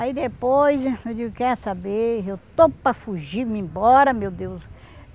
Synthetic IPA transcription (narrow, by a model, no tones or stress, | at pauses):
aid̪epojzewd͡ʒiɡkɛɾʊsabeewt̪opɐfuʒiɾmĩbɔɾɐmewd̪ews